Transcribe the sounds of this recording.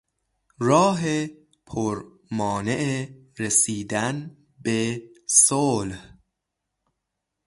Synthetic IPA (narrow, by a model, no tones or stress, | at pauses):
ɾɒːɦe | pʰoɾ | mɒːne̞ʔeɾesiːd̪æn | besolh